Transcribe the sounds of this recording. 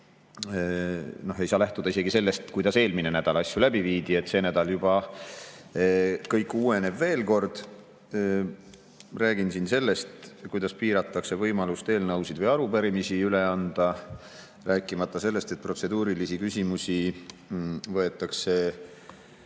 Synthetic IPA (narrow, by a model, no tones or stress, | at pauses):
no̞hɦe̞jsɑːlæht̪ud̪̥ɑis̬e̞ɡise̞lːe̞st̪kujd̪̥ɑse̞ːlmine̞næd̪̥ɑlɑsjulæbiviːd̪̥ie̞t̪ːˑse̞ːnæd̪̥ɑljub̥ɑ | kɤjkːuːe̞ne̞bve̞ːlko̞rd̪̥ | ræːɡ̥insinse̞lːe̞st̪kujd̪̥ɑspiːɾɑt̪ːˑɑkse̞vɤjmɑlust̪e̞ːlnɑwsid̪vɤjɑɾupæɾimisiyleɑnd̪̥ɑ | ræːkːˑimɑt̪ˑːɑse̞lːe̞st̪et̪̚pro̞t̪se̞d̪uːɾilisikysʲimusi | vɤe̞t̪ːˑɑkse̞